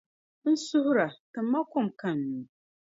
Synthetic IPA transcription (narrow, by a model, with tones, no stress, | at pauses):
n̩˦sʊ˦hʊ˦ɾa˨tɨ˨mː˦a˦kʊ˦mka˦˨nːu˨